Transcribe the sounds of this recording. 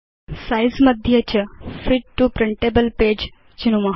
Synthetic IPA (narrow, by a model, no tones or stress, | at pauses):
sajzmɐd̪ʱjət͡ɕəfiʈʈːupɾɪɳʈebəlpeːd͡ʒ | t͡ʃinumɐɦ